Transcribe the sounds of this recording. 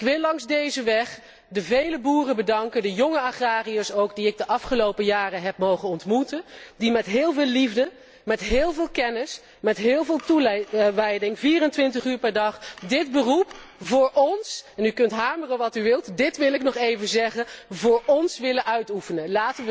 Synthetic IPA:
ɪkʋɪlˠːɑŋzdejzəʋɛχ | dəvejləbuːrəbədɑŋkəndəjɔŋəaχraːriəsowkdiɪɡ̚dəʔɑfχəlowpəjaːrəɦɛpmowχənɔntmutəndimɛtɦɪːlˠvɪːlivdə | mɛtɦɪːlˠvɪːlˠkɛnɪs | mɛtɦɪːlˠvɪːlˠtuʋɛjdɪŋviːrəntʋɪntəχyːɹpɛɹdɑχdɪd̚bərupvʊːɹʔɔnsɛnykɵntɦaːɹmərəʋɑtyʋɪlˠtdɪtʋɪlɪknɔχejvənzɛχəvʊːɹɔnsʋɪləʔœɥtufənəlaːtənʋ

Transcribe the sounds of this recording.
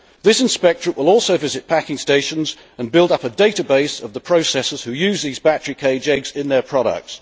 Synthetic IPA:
ðɪsɪ̃nspɛk̚tɹə̃wʔɪlˠɔˑlˠsəʊvɪzɪt̚pʰækɪ̃ŋsteɪʃə̃nz | ə̃nbɪlˠdʌpədeɪtəbeɪsəvðəpʰɹ̥əʊsɛsəz̥hʉjʉːzðiːzbætəɹikʰeɪd͡ʒɛɡzɪ̃nðə˞pʰɹ̥ɒɾə̰k̚ts

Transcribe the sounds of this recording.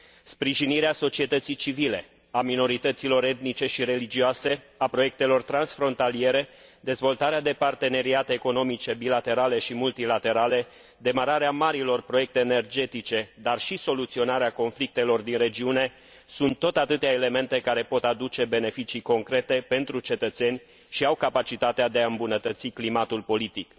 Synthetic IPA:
spɾiʒiniɾeaso̞t͡ʃie̞t̪ət̪sit͡ʃivile̞ | amino̞ɾit̪ət̪silo̞ɾe̞t̪nit͡ʃe̞ʃiɾe̞lid͡ʒioase̞ | apɾo̞je̞k̚t̪e̞lo̞rt̪ɾansfɾo̞nt̪alie̞ɾe̞d̪e̞zvo̞lt̪aɾead̪e̞part̪e̞ne̞ɾiat̪e̞ːko̞no̞mit͡ʃe̞bilat̪e̞ɾale̞ʃimult̪ilat̪e̞ɾale̞ | d̪e̞maɾaɾeamaɾilo̞rpɾo̞je̞k̚t̪e̞ːne̞rd͡ʒe̞t̪it͡ʃe̞d̪arʃiso̞lut̪sio̞naɾeako̞nflik̚t̪e̞lo̞rd̪inre̞d͡ʒiune̞ | sunt̪ːo̞t̪at̪ɨt̪eaele̞me̞nt̪e̞kaɾe̞po̞t̪ad̪ut͡ʃe̞be̞ne̞fit͡ʃiko̞ŋkɾe̞t̪e̞pe̞nt̪ɾut͡ʃe̞t̪ət̪se̞nʲ | ʃiawkapat͡ʃit̪at̪ead̪eaɨmbunət̪ət̪siklimat̪ulpo̞lit̪ik

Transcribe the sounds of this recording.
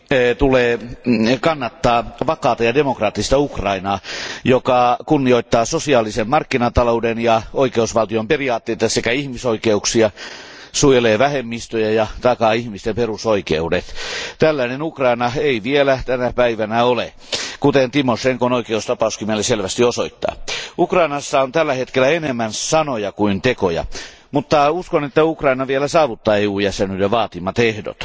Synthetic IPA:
t̪uleːkɑnːɑt̪ːɑːʋɑkɑːt̪ɑjɑdemokrɑːt̪ːist̪ɑukrɑinɑːjokɑkunːioit̪ːɑːsosiɑːlisemmɑrkːinɑt̪ɑloudenjɑoikeusʋɑlt̪iomperiɑːt̪ːeit̪ɑsekæihmisoikeuksiɑ | sujeleːʋæhemːist̪øjæjɑt̪ɑkɑihmist̪emperusoikḛudet̪t̪ælːæinenukrɑinɑeiʋielæt̪ænæpæiʋænæole | kut̪ent̪imoʂeŋkonoikeust̪ɑpɑuskimelːeselʋæst̪iosoit̪ːɑ̰ːukrɑinɑsːɑont̪ælːæhet̪kelːæenemːænsɑnojɑkuint̪ekojɑ̰ | mut̪ːɑuskonet̪ːæukrɑinɑʋielæsɑːʋut̪ːɑːeujæsenylːeʋɑːt̪imɑt̪ehdo̰t̪

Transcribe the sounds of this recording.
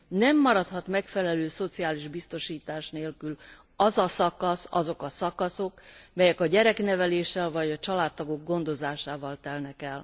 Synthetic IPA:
nɛmːɒɾɒt̪hɒt̪mɛkfɛlɛløːso̞t̪siaːliʒbist̪o̞ʃiːt̪aːʃneːlkyl | ɒzɒsɒkɒsɒ̰zo̞kɒsɒkɒso̞kmɛjɛkɒɟɛɾɛknɛvɛleːʃːɛlvɒɟɒt͡ʃɒlaːt̪t̪ːɒɡo̞ɡ̚ɡo̞nd̪o̞zaːʃaːvɒlt̪ɛlnɛkɛl

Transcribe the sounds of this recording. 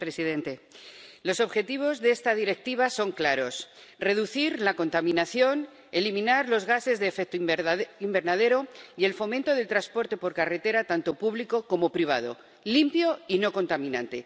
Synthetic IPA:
pɾe̞siðẽ̞nt̪e̞lo̞so̞βxe̞t̪iβ̞o̞zðeest̪að̞iɾe̞k̚t̪iβ̞aso̞ŋklaɾo̞s | re̞ðuθiɾlako̞nt̪amĩnaθjo̞n | e̞limĩnaɾlo̞zɣase̞zðeːfek̚t̪oimbe̞ɾnað̞e̞ɾo̞ie̞lfo̞mẽnt̪o̞ðe̞lt̪ɾaspo̞ɾt̪e̞po̞ɾkare̞t̪e̞ɾat̪ant̪o̞puβliko̞ko̞mo̞pɾiβ̞a̰ð̞o̞̰ | limpjo̞ino̞ko̞nt̪amĩnãnt̪e̞

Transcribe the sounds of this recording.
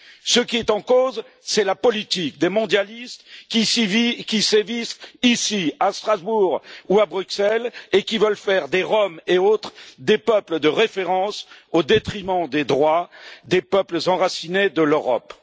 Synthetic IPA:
səkʲiɛt̪ɑ̃koz | sɛlapɔlit̪ik̚d̪emɔ̃d̪jalist̪kʲivkʲisevisisiast̪χazbuʁuabʁyksɛlekʲivəlfɛʁd̪eʁɔmeot̪χd̪epœpləd̪əʁefeʁɑ̃sod̪et̪χimɑ̃d̪ed̪ʁwad̪epœpləzɑ̃ʁasined̪əløʁɔ̰p

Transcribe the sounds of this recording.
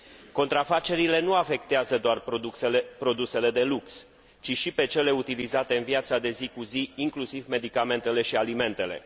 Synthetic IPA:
ko̞n̪t̪ɾafat͡ʃe̞ɾile̞nuafe̞k̚t̪eazəd̪oar | pɾo̞d̪use̞le̞d̪e̞luks | t͡ʃiʃipe̞t͡ʃe̞le̞ut̪ilizat̪e̞ɨnviat̪sad̪e̞zikuziiŋklusivme̞d̪ikame̞nt̪e̞le̞ʃialime̞nt̪e̞le̞̰

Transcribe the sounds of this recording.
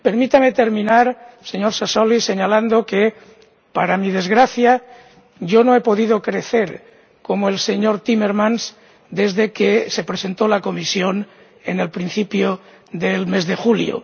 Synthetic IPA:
pe̞ɾmit̪ame̞t̪e̞ɾmĩnaɾse̞ɲo̞ɾsasolise̞ɲaland̪o̞ke̞ | paɾamið̞e̞zɣɾaθja | ʝo̞noepo̞ðið̞o̞kɾe̞θe̞ɾ | ko̞moe̞lse̞ɲo̞ɾt̪ime̞ɾmãns | d̪e̞zðe̞kese̞pɾe̞se̞nt̪olako̞misjo̞n | e̞̰ne̞lpɾĩn̟θipjo | ðelme̞zðe̞xuljo̰

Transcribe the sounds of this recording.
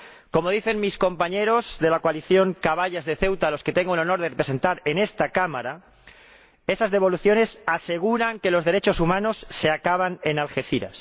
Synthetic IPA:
ko̞mo̞ð̞iθe̞ŋmisko̞mpaɲe̞ɾo̞zðe̞lakwaliθjo̞ŋkaβaʎazðeθe̞wt̪alo̞ske̞t̪e̞ŋɡoelono̞ɾð̞erepɾese̞nt̪aɾe̞ne̞st̪akamaɾa | e̞sazðe̞β̞o̞luθjo̞ne̞sase̞ɣ̞uɾaŋke̞lo̞zðe̞ɾet͡ʃo̞sumãno̞sːe̞akaβane̞nalxe̞θiɾa̰s

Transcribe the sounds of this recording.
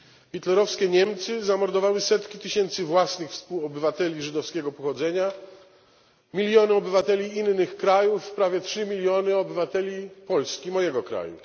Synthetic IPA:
xʲit̪lɛɾɔfskʲɛɲɛmt̪sɘzamɔɾd̪ɔvawɘsɛt̪kʲit̪ɘɕɛnt̪sɘvwasnɘxfspuwɔbɘvat̪ɛlʲiʐɘd̪ɔfskʲɛɡɔpɔxɔd̪zɛɲa | mʲilʲjɔnɘɔbɘvat̪ɛlʲiinːɘxkɾajufːpɾavʲjɛtʂɘmʲilʲjɔnɘɔbɘvat̪ɛlʲipɔlskʲimɔjɛɡɔkɾa̰jṵ

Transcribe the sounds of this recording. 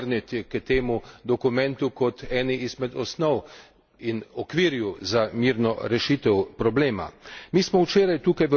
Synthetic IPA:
ɾnit̪ʲɛkət̪eːmud̪ɔkumɛ̃nt̪ukɔt̪ɛːniizmɛd̪ɔsnɔw | inɔkʋiɾjuzamiɾnɔɾɛʃit̪ɛwpɾɔbleːma̰miːsmɔwt͡ʃeːɾajt̪uːkajʋə

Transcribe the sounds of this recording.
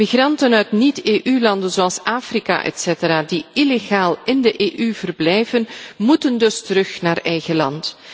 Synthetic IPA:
miɣrɑntənœtniteːʔylɑndənzoɑlˠsaːfrika̰ʔɛ̰tseːtəɾaːdiileɣaːlˠɪndəʔeːʔyv̥ərblɛjvənmutəndɵstəɾɵxnaːrɛjɣəlɑnt

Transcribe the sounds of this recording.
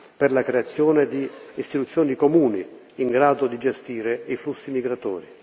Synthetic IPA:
perlakɾeat̪sːjɔːned̪iːst̪it̪ut̪sːjɔːnikomuːni | iŋɡɾaːd̪ʊd̪id͡ʒɛst̪iːɾeiflusːimiɡɾat̪ɔ̰ːɾi

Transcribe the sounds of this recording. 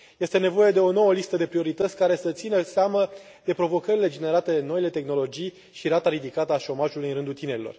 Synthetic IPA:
je̞st̪e̞ne̞vo̞je̞d̪e̞o̞no̞wəlist̪əd̪e̞pɾio̞ɾit̪ət̪sʲkaɾe̞sət̪sinəseamə | d̪e̞pɾo̞vo̞kəɾile̞d͡ʒe̞ne̞ɾat̪e̞no̞ile̞t̪e̞xno̞lo̞d͡ʒij | ʃiɾat̪aɾid̪ikat̪əaʃo̞maʒulujɨnɾɨnd̪ult̪ine̞ɾilo̞r

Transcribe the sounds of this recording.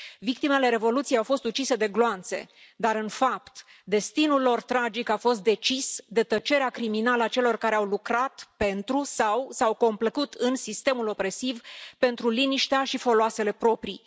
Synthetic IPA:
vik̚t̪ime̞le̞ɾe̞vo̞lut̪siejawfo̞st̪ut͡ʃise̞d̪e̞ɡloant̪se̞̰d̪aɾɨnfap̚t̪ | d̪e̞st̪inulːo̞rt̪ɾad͡ʒikafo̞st̪̚d̪e̞t͡ʃisd̪e̞t̪ət͡ʃe̞ɾeakɾiminaləat͡ʃe̞lo̞rkaɾe̞awlukɾat̪pe̞nt̪ɾusawsawko̞mpləkut̪ɨnsist̪e̞mulo̞pɾe̞sivpe̞nt̪ɾuliniʃt̪eaʃifo̞loase̞le̞pɾo̞pɾi

